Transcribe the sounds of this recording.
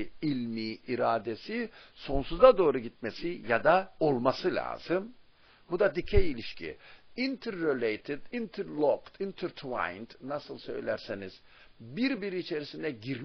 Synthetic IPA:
ilʲmiiɾaːd̪esiso̞nsuzad̪o̞ːɾuɟit̪̚mesijad̪ao̞lˠmasɯlʲa̰ːz̥ɯm | bud̪ad̪icʰɛjilʲiʃcʰḭint̪ʰɾːelʲejt̪ʰid̪int̪ʰiɾlˠokt̪int̪ʰɯɾt̪ʰva̰jnt̪nasɯlˠsø̰jlʲæɾseniz̥ | biɾbiɾiːt͡ʃʰe̞ɾisind̪ɛɟiɾ

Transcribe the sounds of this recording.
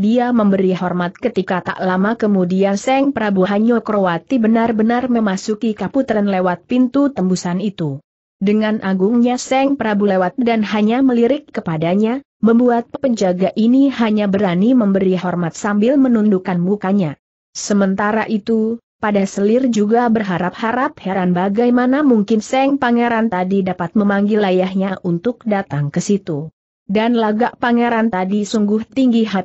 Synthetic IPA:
diaməmbəɾiɦɔrmat̪̚kət̪ikat̪a̰ʔlamakəmudiansɛŋpəɾabuaɦaɲokɾoat̪ibənarbənarməmasukikaput̪əɾənlewat̪̚pint̪ut̪əmbusanit̪u | dəŋanʔaɡuŋɲasɛŋpəɾabulewat̪̚danɦaɲaməliɾɪkːəpadaɲa | məmbuat̪̚pəɲd͡ʒaɡaʔiniɦaɲabəɾaniməmbəɾiɦɔrmat̪̚sambɪlmənundukanmukaɲa | səmənt̪aɾaʔit̪u | padasəlɪrd͡ʒuɡabərɦaɾap̚haɾap̚haɾanbaɡajmanamuŋkɪnsɛŋpaŋɛɾant̪adidapat̪̚məmaŋɡɪlajahɲaʔunt̪ʊk̚dat̪aŋkəsit̪u | danlaɡaʔpaŋeɾant̪adisuŋɡʊht̪iŋɡiɦat̪̚

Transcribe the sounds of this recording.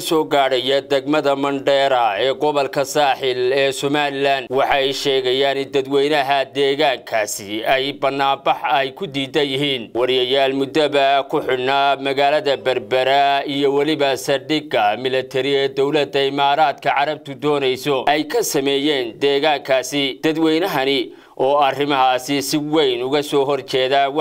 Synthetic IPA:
ɐsɔːɡaːɽɐjɐd̪ɛɡmɐðɐmɐɳɖɛːɾɐɛːɡɔβɔlkʰɐsaːħɪlɛːsɔmaːlɪlaːnd̪wɑħɑjʃɛːɣɛjaːnɪnd̪ɐd̪wɛjnɐɦɐd̪ɛːɣaːŋkʰaːsɪɛjbɐnːaːbɑħɛjkʰʊd̪iːd̪ɐjɪɦiːnwɑɾjɐjaːlmʊd̪ɐβɐkʰʊħɪnɐmɐɣaːlɐðɐbɐrbɐɾɐijɔwɐlɪβɐsɐɖɪɡɐmɪlɐt̪ʰɛɾɪɛːd̪ɔwlɐd̪ːɐɪmaːɾaːd̪kʰɐʕɑɾɐb̚t̪ʰʊd̪ɔːnɛjsɔʔɛjkʰɐsɐmɛːjɛːnd̪ɛːɣaːŋkʰaːsɪd̪̥ɐd̪wɛjnɐɦɐnɪ | ʔɔːɐrɪmɐɦaːsɪsɪwɛjnʊɣɐsɔːɦɔrt͡ʃɛːða

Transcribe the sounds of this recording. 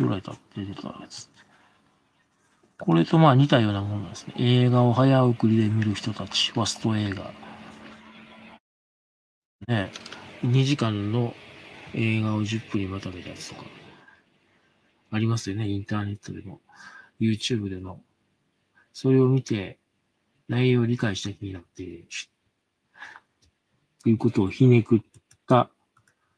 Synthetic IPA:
o̰ɾait̪ʰat̪ːe̞d̪et̪a̰ɡet͡sɨ̥ | ko̞ɾe̞t̪o̞maːɲ̟it̪ajo̞ːnamo̞nad̪esɨ̥nḛʔe̞ːɡao̞ɦajaɯkɯ̟ɾʲid̪e̞mʲiɾɯ̟çi̥t̪o̞t̪at͡ɕi̥βasɨ̥t̪o̞e̞ːɡa̰ | ne̞ɲ̟iʑikãnːo̞ | e̞ːɡao̞ʑɨpːɯ̟ɲ̟imat̪ame̞t̪ajat͡sɨ̥t̪o̞ka̰ | aɾʲimasɨjone̞ĩnt̪aːne̞t̪ːo̞d̪e̞mo̞ | jɯ̟ːt͡ɕɨːbɯ̟d̪e̞mo̞ | so̞ɾe̞o̞mʲit̪e̞ | naioːɾʲikaiɕi̥t̪akʲiɲ̟inat̪ːe̥ | t̪ːejɯ̟ko̞t̪o̞ːçine̞kɯ̟t̪ː | a

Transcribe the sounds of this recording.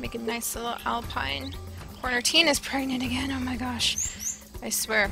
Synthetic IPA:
meɪkɨnaɪslɪɾl̩ˠʔæ̰lˠpʰã̰ɪ̃n | kʰɔɹnə˞tʰĩnɨz̥pʰɹ̥ɛɡ̚nɨ̃ntɨɡɛ̃noʊmaɪɡɑʃ | aɪswɛɹ

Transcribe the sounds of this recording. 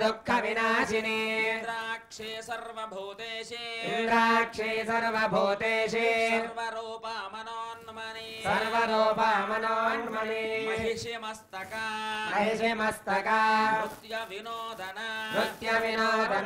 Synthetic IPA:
d̪ukʰːɐʋinaːʃiniɾakʂesɐɾʋɐbʱoːt̪eːʃɦind̪ɾaːkʂesɐɾʋɐbʱoːt̪eːʃeɾʋɐɾoːpamɐnoːnm | sɐɾʋɐɾoːpɐmɐnɔːnmɐni | ɐst̪ɐkalɐɦiʃɐmɐst̪ɐkat̪jɐnoːd̪ʱɐnbɾut̪jɐʋinoːd̪ʱɐn

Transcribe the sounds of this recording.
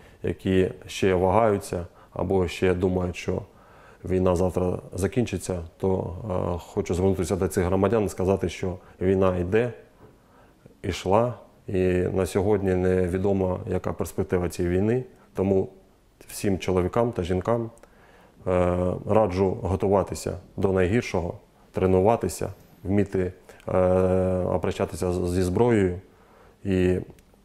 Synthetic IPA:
jɐ̰kʲiʃt͡ʃɛʋɐɦɑjʊt͡sʲːɐ | ɐ̰bɔʃt͡ʃɛd̪umɐjʊʃt͡ʃɔ̰ | ʋʲijn̪ɑzɑwt̪ɾɐzɐkʲinʲt͡ʃɪt͡sʲːɐt̪ɔ̰ | xɔt͡ʃʊzʋernut̪ɪsʲɐd̪ɔtsɪɣɦɾɔmɐdʲanskɐzɑt̪ɪʃt͡ʃɔʋʲijnɑid̪ɛ | iʃlˠɑ | inɐsʲɔɦɔdʲnʲinɛʋʲid̪ɔmɐjɐkɑ̰perspek̚t̪ɪʋɐt͡sʲjiʋʲijnɪ | t̪ɔmu | wsʲimt͡ʃɔlˠɔʋʲikɑmt̪ɐʒinkɑm | rɑd͡ʒʊɦɔt̪ʊʋɑt̪ɪsʲɐ̰d̪ɔnɐjɦirʃɔɦɔ | t̪ɾenʊʋɑt̪ɪsʲɐ̰ | wmʲit̪ɪ | ɐ̰pɾɐʃt͡ʃat̪ɪsʲɐzʲizbɾɔjɔjʊ | i

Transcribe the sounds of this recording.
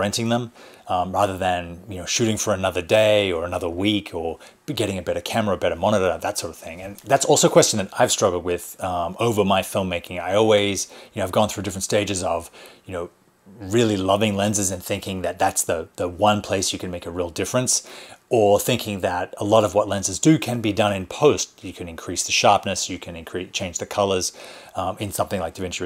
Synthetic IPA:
ɹɛ̃ntɪ̃ŋðə̃mɹæðə˞ðɨ̃njɨnoʊʃʉɾɪ̃ŋfə˞ɨnʌðə˞deɪə˞ɨnʌðə˞wikʰə˞ | ɡɛɾɪ̃ŋɨbɛɾə˞kʰæmə˞əɨbɛɾə˞mɑñəɾə˞ðətsɔɹɾʌv̥θɪ̃ŋɨ̃nðætsɔlˠsoʊkʰw̥ɛst͡ʃn̩ðɨɾaɪv̥stɹ̥ʌɡl̩ˠd̚wɪð̥moʊvə˞maɪfɪlˠmːeɪkɪ̃ŋaɪɔlˠwiz̥jɨnoʊaɪvɡɔ̃nθɹʉdɪfɹə̃ntsteɪd͡ʒɨzʌv̥jɨnoʊ | ɹɪlˠilʌvɪ̃ŋlɛ̃nzɨzɨ̃nθɪ̃ŋkɪ̃ŋðɨt̪̚ðætsðɨðəwʌ̃npʰl̥eɪsjɨkɨ̃nmeɪkəɹilˠdɪfɹɨ̃nsə˞θɪ̃ŋkʰɪ̃ŋðɨɾəlɔɾʌvwʌtˡlɛ̃nzəzdɨkʰɨ̃nbidʌ̃ñɨ̃npʰoʊstjɨkʰɨ̃nɨ̃nkʰɹ̥isðɨʃɑɹpnɨsjɨkʰɨ̃nɨ̃nkʰɹ̥ist͡ʃʰẽɪ̃nd͡ʒðɨkʰʌlˠə˞z̥ | ɨ̃nsʌ̃mθɪ̃ŋlaɪk̚ðɨvɛ̃nt͡ʃə

